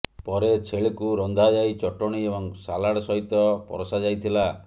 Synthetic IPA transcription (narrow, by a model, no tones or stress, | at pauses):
pɔɾet͡ʃʰeɭikuɾɔnd̪ʱad͡ʒajt͡ʃɔʈɔɽ̃iebɔŋsalaɽɔsɔɦit̪ɔpɔ̰ɾɔsad͡ʒajt̪ʰila